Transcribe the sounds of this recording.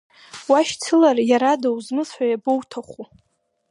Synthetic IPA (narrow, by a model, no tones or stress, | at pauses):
waʃt͡sʰɨlarjaɾadawzmɨsħʷajabowtʰaχʷu